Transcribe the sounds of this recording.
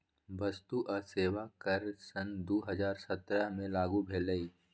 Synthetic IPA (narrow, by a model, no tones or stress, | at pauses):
ʋɐst̪uʔaseːʋakəɾsənd̪oːɦəzaːɾsət̪ɾəɦmẽlaːɡubʱeːləi